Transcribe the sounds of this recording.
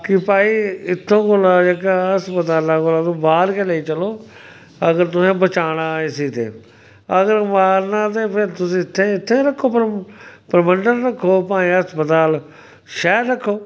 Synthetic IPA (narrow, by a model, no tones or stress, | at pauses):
kɪpaːiːɪt̪ʰːõːkolaːd͡ʒeːkaɦəspət̪aːlaːkolãːt̪õːbaːlkɛleːiːt͡ʃəloː | əɡəɾt̪ʊsẽːbət͡ʃaːɽ̃aːɪsiːt̪ḛː | əɡəɾmaːlnãːt̪̬eːpʰɪɾt̪ʊsĩːɪt̪ʰːẽːɪt̪ʰːeːɾəkʰːoːpəɾpəɾməɳɖəɾːəkʰːoːpãːĩːɦəspət̪aːl | ʃɛːɾːəkʰːoː